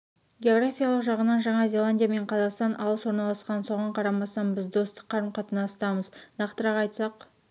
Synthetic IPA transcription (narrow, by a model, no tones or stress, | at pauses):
ɡʲeo̞ɡɾafʲijalˠəqʒɑʁənɑnʒɑɴɑzʲe̞lˠanʲdʲijame̞ɴqʰɑzɑqst̪ɑnʔɑlˠəswo̞ɾnɑlˠɑsqɑnso̞ʁɑɴqʰɑɾɑmɑsɑnbɪzd̪o̞st̪ə̥qʰːɑɾmqʰɑt̪ənɑst̪ɑməznɑqt̪əɾɑqɑjt̪sɑq